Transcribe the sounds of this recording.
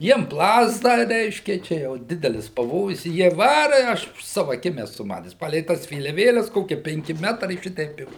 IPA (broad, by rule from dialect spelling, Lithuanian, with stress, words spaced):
ˈjiɛm ˈplˠɑːzdɐ ˈrʲɛɪʃʲkʲɛ ˈt͡ʃʲɛ jɛʊ ˈdʲɪdʲɛlʲɪs pɐˈʋoːjʊs ɪ ˈjiɛ ˈʋɑːrɐ ɪ ˈɐʃ ɐʃ ˈsɑːʋʊ ɐˈkʲɪm ɛˈsʊ ˈmɑːtʲɛs ˈpɑːlʲɛɪ ˈtɐs ʋʲeːlʲɛˈʋʲeːlʲɛs ˈkoːkʲiɛ pʲɛŋʲˈkʲɪ ˈmʲæːtrɐɪ ʃʲɪˈtʲɛɪp ɪ